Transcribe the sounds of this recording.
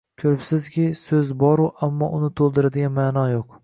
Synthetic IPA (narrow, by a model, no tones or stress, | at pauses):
kʲʰɵɾɪpsɪzkʲɪsɵzbɒɾʊʔamːɒʔʊnɪt̪ʰolˠd̪ɪɾɪd̪ɪɡʲanmanɒjoq